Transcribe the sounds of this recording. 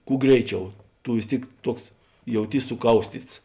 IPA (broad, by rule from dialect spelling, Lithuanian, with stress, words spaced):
ˈkuː ˈɡrʲɛɪˌt͡ʃʲɛʊ ˈtʊ ʋʲɪs ˈtʲeːɪk ˈtuɔks jɛʊˈtʲiːs sʊˈkɐʊsʲtʲiːts